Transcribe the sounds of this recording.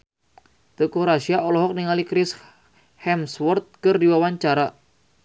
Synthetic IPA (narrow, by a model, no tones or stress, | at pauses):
t̪əkuɾasiaʔɔlɔɦɔk̚niŋalikɾɪs | hɛmswɔrt̪̚kɨrdiwawaɲt͡ʃaɾa